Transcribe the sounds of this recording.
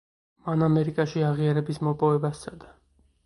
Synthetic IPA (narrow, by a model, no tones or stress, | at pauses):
manamɛɾikʼaʃiaʁiaɾɛbismɔpʼɔvɛbasːad̪a